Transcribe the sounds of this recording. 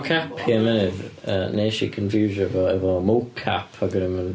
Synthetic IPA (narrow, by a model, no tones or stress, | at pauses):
kʰaphiːəmɛnɪðəneːʃḭkʰənfjuːʒəvɔɛvɔmokʰːa̰pʰaɡənəmən